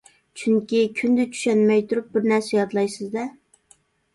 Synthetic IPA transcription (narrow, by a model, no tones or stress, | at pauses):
t͡ʃʰyŋkʲikʲʰynd̪ɛt͡ʃʰy̥ʃɛnmɛjt̪ʰuɾup̚bɪɾnæɾsɛjɑd̪lˠɑjsɨzd̪ɛ